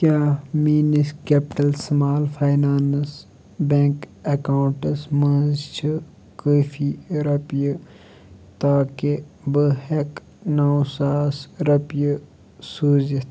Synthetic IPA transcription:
kʲjaːmiːniskepʈɐlsɐmaːlfajnaːns | bẽŋkekaːwuɳʈɐsmɐ̃ːzt͡ʃʰi | koːfiɾɐpjə | t̪aːke | bəhek | naːsaːsɾɐpjə | suːzit̪ʰ

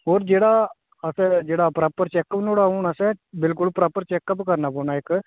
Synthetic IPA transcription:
ɦoːɾd͡ʒeːɽaː | əsɛd͡ʒeːɽaːpɾaːpəɾt͡ʃɛːkːəpnoːɽaːuːɳəsɛbɪlkʊlpɾaːpəɾt͡ʃɛːkːəpkəɾnaːpoːnaːɪkː

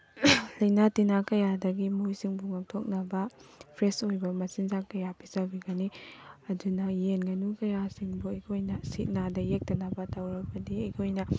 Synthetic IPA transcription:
lɐjnatinakɐjadɐɡimujsiŋbuŋak̚tʰok̚nɐbɐpʰɾesojbɐmɐsinzakɐjapizabiɡɐniɐdunɐjenɡɐnukɐjasiŋbuɐjkʰojnɐsit̚nadɐjek̚tɐnɐbɐtawɾɐk̚bɐdiɐjkʰojnɐ

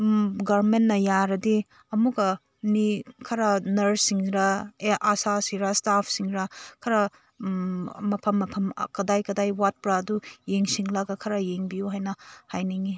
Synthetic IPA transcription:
ɡaɾmenːɐjaɾɐdi | ɐmuɡɐ | nikʰɐɾanɐɾsiŋɾɐeʔasasiɾastapʰsiŋɾakʰɐɾa | mɐpʰɐmːɐpʰɐm̰kɐdajkɐdajwat̚pɾadujeŋsiŋlaɡɐkʰɐɾajeŋbijuɦajnɐhajniŋi

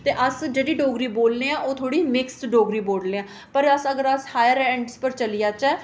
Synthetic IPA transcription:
t̪eːʔəsd͡ʒeːɽiːɖoːɡɾiːboːlneːãːʔoːt̪ʰoːɽiːmɪksʈɖoːɡɾiːboːlneːãː | pəɾəsəɡəɾəshaːjəɾɛ̃ːɳɖspəɾt͡ʃəlijaːt͡ʃɛː

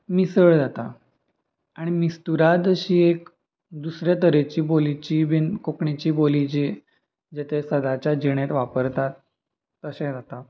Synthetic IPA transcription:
misəɭd͡zat̪a | aɽ̃imist̪uɾad̪əɕiːek̚ | d̪usɾjat̪əɾet͡ɕiːbolit͡ɕiːbinkokɳit͡ɕiːbolit͡ɕi | d͡ʑet̪ʰesəd̪at͡ɕjad͡ʑiɽ̃et̪ʋapəɾt̪at̪ː | əsẽd͡zat̪a

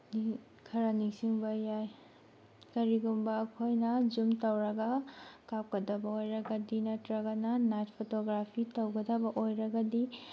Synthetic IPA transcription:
ni | kʰɐɾɐnisiŋbɐjaj | kɐɾiɡumbɐːkʰojnɐd͡ʒumtɐwɾɐɡɐkap̚kɐdɐbɐojɾɐɡɐdinɐtɾɐɡɐnɐnajt̚pʰotoɡɾapʰitɐwɡɐdɐbɐʔojɾɐɡɐdi

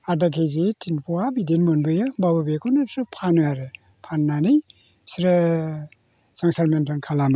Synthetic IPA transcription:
aɾdakʰejzetʰinpʰɔabidenmɯnbɯjababɯbekʰonɯsʰɾɯpʰanujaɾɯ | pʰanːanɯj | siɾɯ | saŋsaɾmentʰɔnkʰalama

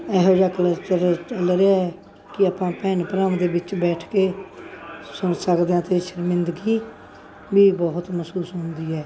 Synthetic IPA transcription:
ɛːɦoːd͡ʒaːkələt͡ʃəɾt͡ʃəlɾeaːɛː | kɪaːpãːpɛːnpəɾaːmd̪eːbɪt͡ʃbɛːʈʰkeː | sʊnsəkd̪eãːt̪eːʃəɾmɪ̃nd̪ɡiː | biːbɔːɦʊt̪məsuːsɦʊnd̪iːɦɛː

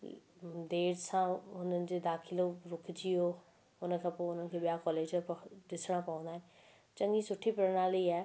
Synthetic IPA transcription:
d̪eːɽsãʊnənɪ̆d͡ʑeːd̪aːkʰɪloɾʊkʰd͡ʑio | ʊnəkʰãːpoːʊnənɪ̆kʰeːɓijakɔːleːd͡ʑd̪ɪsɽ̃apɐə̃nd̪aːɦɪ̃nɪ̆ | t͡ɕɐ̃ŋɡisʊʈʰipɪɾəɽ̃aːliaː

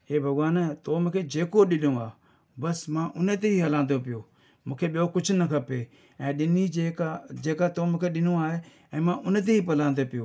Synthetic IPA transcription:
ɦeːbʱɐɡʋaːnt̪oːmʊ̃kʰed͡ʒeːkoɗɪlõaː | bɐsmãːʔʊnet̪̬eɦiɦɐlãːnd̪opɪjoː | mũːkʰeɓijokʊd͡ʒʰʱʊnɐkʰɐpeː | ɛ̃ːɗɪniekad͡ʒeːkat̪omũːkʰeɗɪnõaːɦe | ɛ̃ːmãʔʊnət̪̬eiːpɐlãːnd̪opɪjoː

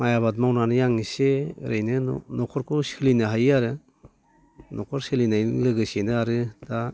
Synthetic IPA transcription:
majaβad̚mawnanɯjaŋiseɾɯjnɯ̰nɔkʰɔɾkʰusɯlinɯɦajaɾɯ | nɔkʰɔɾsɯlinajnɯlɯɡɯsenɯaɾɯd̥a

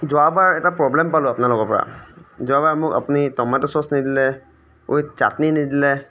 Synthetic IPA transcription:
zɔabaɹɛtapɹɔblɛmpalʊapnalʊkɔpɔɹa̰zɔabaɹmʊka̰punitɔmatɔsɔsnidilɛ | o̰jt͡ʃa̰tninidilɛ

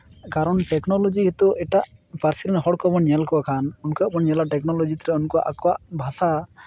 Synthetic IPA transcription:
kaɾɔɳʈɛknɔlɔd͡ʒiɦet̪uʔɛʈaʔpaɾsiɾɛnɦɔɽkɔbɔnɲɛlkɔakʰanunkɔaʔbɔnɲɛlaʈɛknɔlɔd͡ʒit̪ɾɛunkɔa̰ʔakɔwaʔbʱasa

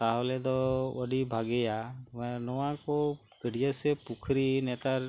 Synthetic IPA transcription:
t̪aɦɔlɛd̪ɔəɖibʱaɡɛjamɛnɔwãko | ɡ̥əɽijəsepukʰɾinɛt̪aɾ

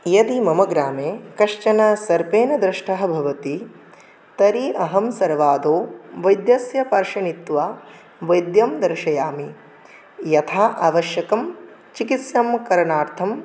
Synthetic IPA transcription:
jɐd̪imɐmɐɡɾaːmeːkɐʂt͡ʃɐnɐsɐɾpeːnɐd̪ɾɪʂʈʰɐɦɐ̆bʱɐʋɐt̪i | t̪ɐɾiʔɐɦɐmsɐɾʋaːd̪oːʋɐjd̪jɐsjɐpɐɾʃɐnit̪ʋaː | ʋɐjd̪jɐmd̪ɐɾʃɐjaːmi | jɐt̪ʰaːʔaːʋɐʃjɐkɐm | t͡ʃikit̪sjɐmkɐɾɳaːɾt̪ʰɐm

